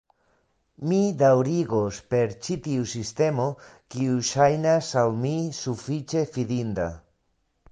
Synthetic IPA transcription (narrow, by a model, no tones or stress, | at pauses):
mid̪awɾiɡospe̞ɾt͡ʃit̪iusist̪e̞mo̞kiuʃajnasawmisufit͡ʃe̞fidind̪a̰